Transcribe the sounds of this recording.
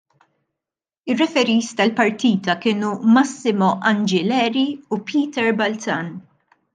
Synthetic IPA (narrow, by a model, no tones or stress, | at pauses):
ɪrːɛfɛɾiːst̪ɐlpɐɾt̪iːt̪ɐkɪːnumɐsːɪmɔʔɐnd͡ʒɪlɛːɾiupʰiːt̪ɛɾbɐlt͡sɐn